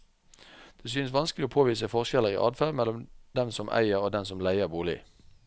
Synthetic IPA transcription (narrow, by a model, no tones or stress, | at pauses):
d̪̥eːs̬yːnəsʋɑnskəlɪoːpʰoːʋiːsəfɔʁʃkɛləʁḭʔɑ̰ːd̪fæːmɛlɔmd̪̥ɛmsɔmʔæ̰ɪəʁoːd̪ɛnsɔmlæɪəʁbuːlɪ̰